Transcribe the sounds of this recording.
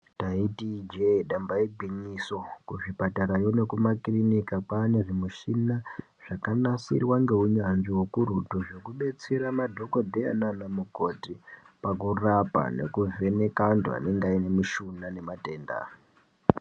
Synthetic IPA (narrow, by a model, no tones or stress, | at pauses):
taitid͡ʒeɗambaiɡʱiɲiso̞kuʐipataɾajo̞ne̞kumakrinikakwaːne̞ʐimuʃina | ʐ̥akanasḭrwaŋɡe̞ɦuɲanʐiwo̞kuɾutoʐo̞kuɓe̞t͡se̞ɾamadʱo̞ko̞dʱea̰nanamukoti | pakurapa̰nḛkuve̞ne̞kandṵa̰ne̞ŋɡaine̞muʃunane̞mate̞ːnda̰